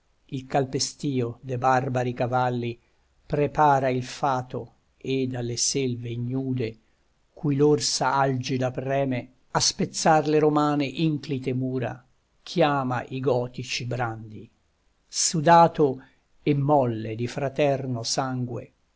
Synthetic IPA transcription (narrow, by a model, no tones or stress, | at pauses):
ilkalpest̪iːod̪ebarbaɾikavalːi | pɾepaːɾailfaːt̪o | ed̪alːeselveiɲːuːd̪e | kʰujlorsaald͡ʒid̪aprɛːme | aspet̪sːarleɾomaːneʔiŋklit̪emuːɾa̰ | kʰjaːma̰ʔiɡɔːt̪it͡ʃibɾand̪i | sud̪aːt̪o | emːɔlːed̪ifɾat̪ɛrnosaŋɡwḛ